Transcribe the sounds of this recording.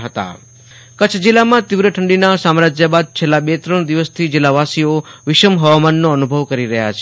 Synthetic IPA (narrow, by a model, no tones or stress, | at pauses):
ɦət̪a̰ | kət͡ʃʰd͡ʒilːamãt̪iʋɾəʈʰəɳɖinasamɾad͡ʒjəbad̪̚t͡ʃʰelːabet̪ɾəɳ̃d̪iʋəst̪ʰid͡ʒɪlːaʋasioʋɪʃəmɦəʋamanːoənubʱəʋkəɾiɾəɦja̰t͡ʃʰe